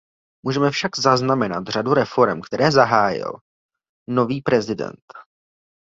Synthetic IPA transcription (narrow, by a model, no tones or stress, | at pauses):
muːʒɛmɛfʃaɡzaznamɛnat̪r̝aduɾɛfo̞ɾɛmkt̪ɛɾɛːzaɦaːjɪ̰l | no̞viːpɾɛzɪdɛ̰nt̪